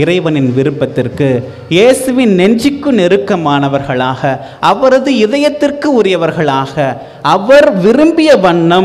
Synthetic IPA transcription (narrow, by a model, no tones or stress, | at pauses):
ɪɾɐɪʋɐnɪnʋɪɾɯpːɐt̪ːɪrkɯ | jeːsɯʋɪnnɛɲd͡ʒɪkːɯnɛɾɯkːɐmaːnɐʋɐɾɣɐɭaːɣɐ | ʔɐʋɐɾɐðɯɪðɐjɐt̪ːɪrkɯʊɾɪjɐʋɐɾɣɐɭaːɣɐ | ʔɐʋɐɾʋɪɾɯmbɪjɐʋɐɳːɐm